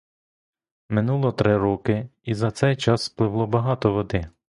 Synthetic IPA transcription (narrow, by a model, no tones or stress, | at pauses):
mɪnulˠɔt̪ɾɪɾɔkɪizɐt̪sɛjt͡ʃɑsplˠɪʋlˠɔbɐɦɑt̪ɔʋɔd̪ɪ